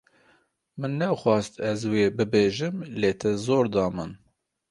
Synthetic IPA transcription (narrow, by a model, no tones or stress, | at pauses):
mɨnːɛwxwɑːst̪ɛzweːbɨbeːʒɨmleːt̪ʰɛzoːɾd̪ɑːmɨn